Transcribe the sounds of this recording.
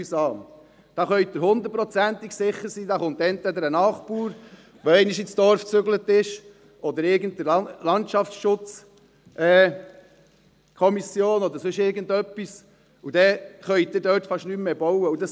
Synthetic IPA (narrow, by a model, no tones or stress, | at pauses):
sɑːm | d̪̥ɑχœʏd̥̪əɾhʊnd̪əɾtpɾɔt͡sænt̪iɡksɪχːəɾsiːd̪ɑχʊnt̪ɛnt̪ʋɛd̪əɾənɑːχpuːɾ | ʋoɛɪniʃit͡sd̥̪ɔɾft͡søɡlət̪ɪʃ | ʔɔd̪əɾɪɾɡən̩d̚d̪əlɑntt͡ʃɑfsʃʊt͡s | ʔɛː | kʰɔmisjoːnɔd̪əɾsɵʃɪːɾɡənd̪œpːis | ud̥̪ɛχœʏd̪ɪdøːtfɑʃnymːeːbɔwəudɑs